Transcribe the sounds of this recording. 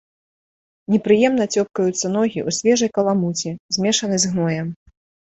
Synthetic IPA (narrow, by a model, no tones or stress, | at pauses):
nʲɛpɾɨjɛmnɐt͡sʲɔp̚kɐjut̪sːɐnɔɣʲiʔusʲvʲɛʐɐjkɐlˠamut͡sʲizʲmʲɛʂɐnɨzɣnɔjɛm